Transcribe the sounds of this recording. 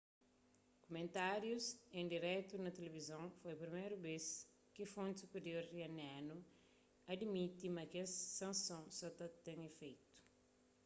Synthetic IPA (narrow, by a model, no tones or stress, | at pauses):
kumẽnt̪aɾjusẽnd̪iɾɛt̪unɐt̪elevizɐ̃w̃fojpɾimejɾubes | kifõnt̪supeɾioɾriɐnanu | ɐd̪mit̪imɐkeɐssɐ̃nsõsɔt̪ɐt̪ẽɲefejt̪u̥